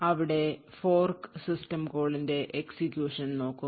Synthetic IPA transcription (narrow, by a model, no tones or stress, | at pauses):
ɐʋiɽe̞ | fo̞ːrksisʈɐmko̞ːɭinde̞ʔeksikjuːʂɐnno̞ːkːu